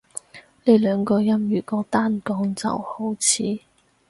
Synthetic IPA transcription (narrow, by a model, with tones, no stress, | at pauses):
ne˨˧jlœː˨˧ŋkɔː˧jɐ˥mjyː˨˩kɔː˧t̪aː˥nkɔː˨˥ŋt͡sɐ̰˨who˨˥wt͡sʰiː˨˥